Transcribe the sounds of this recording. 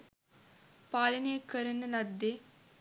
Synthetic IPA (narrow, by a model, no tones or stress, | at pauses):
paːlɐneːkɐɾɐnːɐlɐd̪ːe